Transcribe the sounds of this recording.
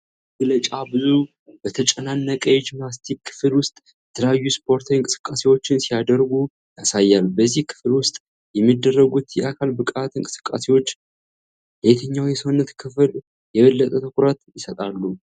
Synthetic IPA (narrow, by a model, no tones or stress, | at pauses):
ɡlət͡ʃʼabɨzu | bət̪ʰət͡ʃʼənanːəkʼəjd͡ʒmnast̪ʰikʰːɨ̥flwʊst̪ʼjɛt̪ʰələjajːuspʰo̞ɾt̪ʰawɨŋkʼɨ̥sɨ̥kʼːase̞wo̞t͡ʃːɪnsijad̪əɾɡu | jasajːalbəzːihkʰɨ̥flwʊst̪ʼ | jɛmːid̪ːərːəɡut̪jɛʔakʰalbɨkʼat̪ɨŋkʼɨsɨ̥kʼːa̰se̞wo̞t͡ʃː | bet̪ʰəɲːawjɛsəwʊnːət̪kʰɨfl | jɛβəlːət̪ʼət̪ʰəkʷʼɾat̪jɪsət̪ʼalːu